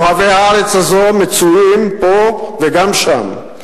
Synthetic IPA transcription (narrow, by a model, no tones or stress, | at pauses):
havehaaʁet͡shazomet͡suimpoveɡamʃa̰m